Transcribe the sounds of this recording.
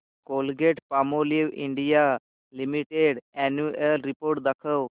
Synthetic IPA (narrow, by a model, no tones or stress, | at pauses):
kolɡeʈpamoliʋḭɳɖija | limiʈeɽɛnuəlɾipoɾʈd̪əkʰəw